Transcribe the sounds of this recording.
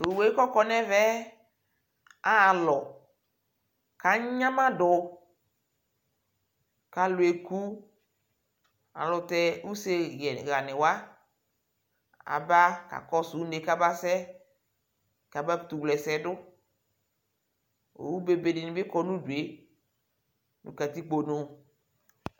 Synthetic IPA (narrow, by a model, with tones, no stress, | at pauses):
tʊ˨we˨˦i˦kɔ˦kɔ˦nɛ˦vɛ˦ | a˨lɔ˨ | ka˨˦ɲã˦mã˦dʊ˨ | ka˨lʊ˨e˨ku˦ | a̰˨lʊ˨tɛ˦u˦se˦jɛ˨ɣa˨nɪ˨wa˦ | a̰˨ba˦ka̰˨kɔ˦su˨u˦ne˨ka˦ba˦sɛ˦ | ka˨ba˦˨t̪u˨wlɛ˨sɛ˨dʊ˦ | o̰˨wu˦be˨be˨dɪ˨nɪ̃˨bɪ˦kɔ˦nũ˦du˨e˨ | nṵ̃˨ka˨t̪i˦k͡po˨no˨